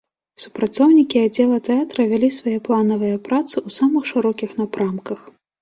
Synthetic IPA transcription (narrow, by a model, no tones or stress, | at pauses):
su̥pɾat̪sɔwnʲikʲiad͡zʲːɛlˠɐt̪ɛat̪ɾɐvʲalʲisvajɛplˠanɐvɐjɐpɾat̪sɨʔusamɨxʂɨɾɔkʲixnapɾamkɐx